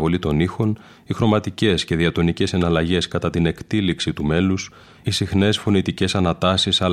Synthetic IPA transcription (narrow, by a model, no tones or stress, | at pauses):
vo̞lit̪o̞nixo̞n | ixɾo̞mɐt̪ice̞sce̞ðiɐt̪o̞nice̞se̞nɐlɐʝe̞skɐt̪ɐt̪ine̞kt̪iliksit̪ume̞lus | isixne̞sfo̞nit̪ice̞sɐnɐt̪ɐsisɐ